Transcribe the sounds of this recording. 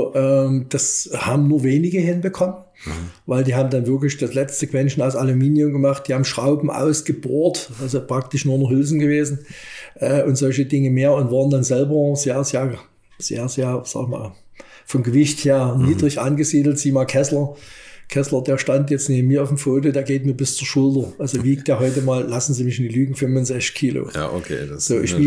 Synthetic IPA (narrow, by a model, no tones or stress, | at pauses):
ʔɛːmd̥ashaːbm̩nuːɐveːnɪɡəhɪnbəkʰɔmən | vaɪldiːhaːbm̩danvɪɐklɪçd̥aslɛt͡stz̥əkʰv̥ɛnʃn̩aʊsalumiːnjʊmɡəmaχtd̥iːhaːbm̩ʃʁ̥aʊbm̩ʔa̰ʊsɡ̥əboːɐtʔalzopʁ̥ak̚tɪʃnuːɐnɔχhʏlzn̩ɡəveːzn̩ʔɛːʔʊntz̥ɔlçədɪŋəmeːɐʊntv̥aːʁəndanzɛlbɐzeːɐzeːɐ | z̥ḛːɐzeːɐz̥a̰ːɡma̰ːl | fɔmɡəvɪçtheːɐniːdʁɪçʔanɡəziːdl̩tz̥iːəmaːlkʰɛslɐkʰɛslɐdeːɐʃtantjɛt͡stneːbm̩miːɐaʊfm̩foːt̬odeːɐɡeːt̚miːɐbɪst͡suːɐʃʊltɐʔalzoviːk̚td̥eːɐɦɔʏtəmaːllasn̩ziːmɪçɪndiːlyːɡŋ̩fʏmvʊnzɛçt͡skʰːiːlo̰j̰o̰kʰḛːz̥oːʔɪ̰ʃ